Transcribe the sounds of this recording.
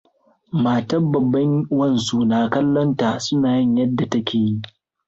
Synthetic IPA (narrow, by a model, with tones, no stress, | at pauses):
maː˨tɐ˦bɐ˨bːɐ˦ŋwɐ˦˨nsu˦naː˨kɐ˦lːɔ˦nta˨sʊ˦naː˨jɪ˦ɲjɐ˦dːa˨tɐ˦kʲeː˨ji˦ʔ